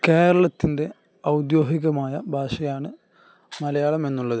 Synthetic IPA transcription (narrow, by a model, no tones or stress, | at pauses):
ke̞ːɾɐɭɐt̪ːinde̞ | ɐwd̪jo̞ːɦiɣɐmaːjɐbʱaːʂɐjaːɳɨ | mɐlɐjaːɭɐme̞nːuɭːɐðɨ